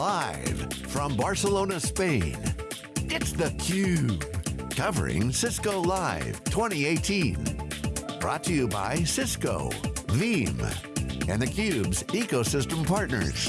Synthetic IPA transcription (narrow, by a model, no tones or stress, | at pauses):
laɪv̥fɹʌ̃mbɑɹsəlõʊ̃nəspẽɪ̃n | ɪtsðɨkʰj̥ʉb̥kʰʌvə̰˞ɪ̰̃ŋsɪskoʊlaɪv̥tʰw̥ɛ̃ɾ̃ieɪtʰĩn | b̥ɹɔ̰tʰɨjɨba̰ɪsɪsko̰ʊvĩmɨ̰̃nðɨkʰj̥ʉbzikoʊsɪstə̃m̩pʰɑɹtⁿnə̰˞z̥